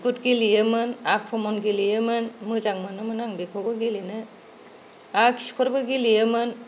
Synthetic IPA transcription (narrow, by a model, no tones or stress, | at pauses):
ɡutɡilijemɯnak̚pʰɔmɔnɡilijɯmɯnmɯzaŋmɯnɯmɯnaŋbikʰɔbɔɡilinɯ | aki̥skʰɔɾbɯɡilijemɯn